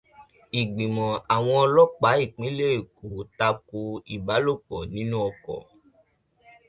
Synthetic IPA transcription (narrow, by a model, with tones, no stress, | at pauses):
i˨ɡ͡bĩ˨mɔ̃˨a˨w̃ɔ̃˧ɔ˧lɔ˦k͡pa˨˦i˦˨k͡pĩ˨˦le˦e˦˨ko˨ta˧ko˧i˨ba˨˦lo˦˨k͡pɔ˨nĩ˨˦nũ˦ɔ˧kɔ̰˨